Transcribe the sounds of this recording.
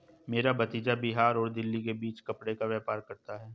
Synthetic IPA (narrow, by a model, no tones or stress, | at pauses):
meːɾabɐt̪iːd͡ʒabɪɦaːɾɔːɾd̪ɪlːikebiːt͡ʃkɐpɽekaʋɛːpaːɾkɐɾt̪aɦɛː